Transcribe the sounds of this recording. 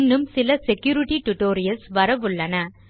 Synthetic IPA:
nːɯmsɪlɐsɛkːjuːɾɪʈiʈʊʈoːɾɪjɐlsʋɐɾɐʋɯɭːɐnɐ

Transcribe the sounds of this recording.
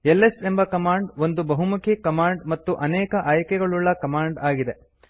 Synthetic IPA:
elːese̞mbɐkɐmaːɳɖʋo̞nd̪ubɐɦumukʰikɐmaːɳɖmɐt̪ːuʔɐnɛːkɐʔaːjɐkɛɡɐɭuɭːɐkɐmaːɳɖaːɡid̪e̞

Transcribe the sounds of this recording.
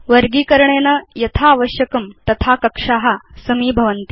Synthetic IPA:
ʋəɾɡiːkɐɾɳenɐjɐt̪ʰaːʋəɕjɐkɐmt̪ɐt̪ʰakɐkʂaːɦasɐmiːbʱɐʋənt̪i

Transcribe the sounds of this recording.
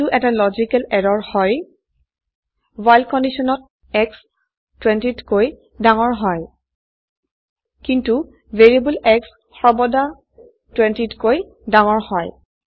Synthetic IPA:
uʔɛtalɔzikɛlɛdɔɹhɔj | wajlkɔndisɔnɔt̚ | ɛks | twɛntitkoj | daŋɔɹɦɔj | kintu | veɹibulɛks | xɔɹbɔda | twɛntitkoj | daŋɔɹhɔj

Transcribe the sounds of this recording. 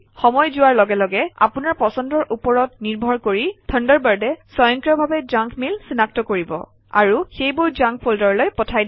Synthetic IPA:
xɔmɔjzʊwaɹlɔɡɛlɔɡɛa̰punaɹpɔsɔndɔɹʔupɔɹɔtniɹbʱɔɹkoɹitʰəndɔɹbaɹdɛsɔjɔŋkɹɔbʱabɛd͡ʒaŋkʰmilsinak̚tɔkoɹibɔ̰ | a̰ɹuxejbʊɹd͡ʒãŋk̚pʰoldɔɹlojpɔtʰajd

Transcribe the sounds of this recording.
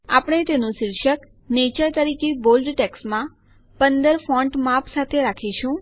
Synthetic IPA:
apɽ̃et̪enũʃɪɾʃək | net͡ʃəjt̪əɾikebolɖʈɛksmã | pənd̪əɾfɔ̃ɳʈmapsat̪ʰeɾakʰiʃũ

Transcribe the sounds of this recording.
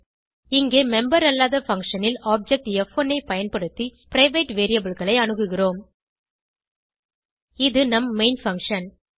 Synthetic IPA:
ɪŋɡeːmɛmbɐɾɐlːaːðɐfɐŋkʂɐnɪlaːp̚d͡ʒɛk̚ʈjɛfonːɐɪpɐjɐnpɐɽɯt̪ːipɪɾɐɪʋeːʈʋeːɾijɐbɪɭɣɐɭɐɪɐnɯɣɯɣɪroːm | ɪðɯnɐmːeɪnfɐŋkʂɐn

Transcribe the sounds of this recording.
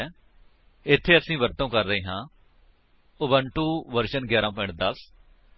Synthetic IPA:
ɪt̪ʰːeːəsĩːʋəɾt̪õːkəɾːəiːɦãː | ʊbəɳʈuːʋəɾʃənɡjaːɾãːpɔ̃ɪ̃ɳʈ̚d̪əs

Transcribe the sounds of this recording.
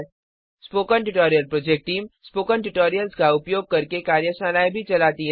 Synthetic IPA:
spoːkənʈʊʈoːɾijəlpɾoːd͡ʒek̚ʈʈiːmspoːkənʈʊʈoːɾijəlskaʊpjoːɡ̚kɐɾkekaːɾjəsaːnaːjbʱit͡ʃɐlaːt̪iɦ

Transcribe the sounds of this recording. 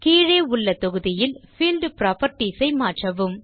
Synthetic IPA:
kiːɻeːʊɭːɐt̪ɔɣɯðɪjɪlfiːlɖpɾaːpɐɾʈisɐɪmaːʈrɐʋɯm

